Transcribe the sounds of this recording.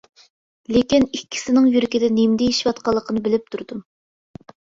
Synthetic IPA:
lekʲinikʲʰːi̥sɪnɪŋjyɾɪkʲɪd̪ɛnemd̪ɛjeʃiwɑt̪qɑlˠːəqʰənɨbɪlɪp̚t̪ʰuɾd̪u

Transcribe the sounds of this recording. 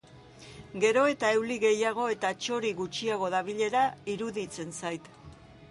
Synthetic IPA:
ɡe̞ɾo̞e̞t̪ae̞wliɣe̞jaɣ̞o̞e̞t̪at͡ʃo̞ɾiɣut͡ʃiaɣ̞o̞ðaβiʎe̞ɾaiɾuðit͡se̞nsajt̪

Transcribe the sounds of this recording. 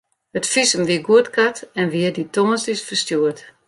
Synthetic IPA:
hətfisəmʋiəɡuətkʰatɛnʋiəditoŋəsdisfərstjuət

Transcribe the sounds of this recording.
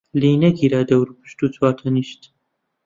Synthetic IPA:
liːnɐɡiɾaːd̪ɐwɾupɨ̥ʃt̪uːt͡sʰwaːt̪ʰɐniːʃt̪

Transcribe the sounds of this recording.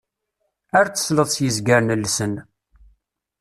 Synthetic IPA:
əɾt͡sːə̥sləðˤsjəzɡəɾnəlːsən

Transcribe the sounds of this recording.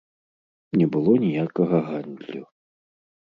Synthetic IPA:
nʲɛbɨlˠɔnʲijakɐɣɐɣand̪ʲlʲu

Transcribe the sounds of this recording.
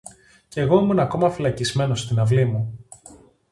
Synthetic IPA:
ce̞ɣo̞imunɐko̞mɐfilɐcizme̞no̞st̪inɐvlimu

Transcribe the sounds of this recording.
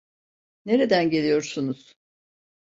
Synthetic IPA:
ne̞ɾe̞d̪ænɟe̞lʲijo̞ɾsunuz̥

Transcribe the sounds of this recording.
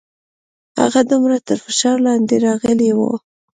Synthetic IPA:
ha̰ɣad̪umɾat̪əɾfɪʃɑɾlɑnd̪eɾɑɣəlewo̰

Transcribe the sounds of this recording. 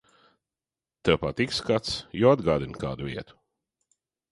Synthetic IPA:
t̪ɛpat̪ikskat̪sjɔːad̪ɡɑːd̪ɪnka̰ːd̪uvḭːt̪ʊ̥

